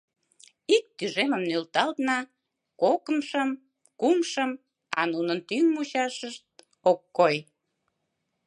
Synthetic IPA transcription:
ik̚t̪yʒeməmnølt̪ɑlt̪nɑ | kokəmʃəm | kumʃəm | ɑ̰nunənt̪yŋmuɕɑʃəʃt̪̚ | okːoj

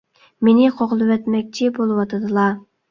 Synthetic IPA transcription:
menɪqʰoʁlˠɨwɛt̪mɛk̚ʲt͡ʃʰɪbolˠɨwɑt̪ʰɨd̪ɨlˠɑ

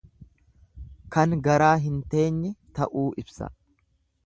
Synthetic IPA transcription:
kɐŋɡɐɾaːɦɪnt̪e̞ːɲːɛt̪ɐʔuːʔɪbsɐ̰

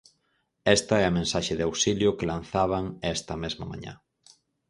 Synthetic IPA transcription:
ɛst̪ɐɛɐmẽnsaʃeðawsiljʊkɪlãnθaβ̞ɐŋɛst̪ɐmezmɐmã̰ɲã̰

